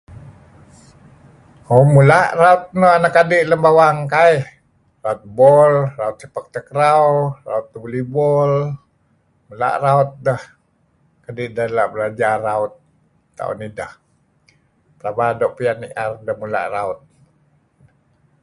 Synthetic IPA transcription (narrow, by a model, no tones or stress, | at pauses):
homulaʔraut̪̚nəɦanakadɪʔləmbawaŋkai | raut̪̚bɔlraut̪̚səpək̚t̪əkəɾawra̰ut̪̚ːəbulibɔl | mula̰ʔraut̪̚dəh | kadɪʔdahlaʔbəlad͡ʒaraʊt̪̚ː | a̰ṵnidəh | pəɾabadoʔpianiʔardəhmula̰ʔraut̪̚ | də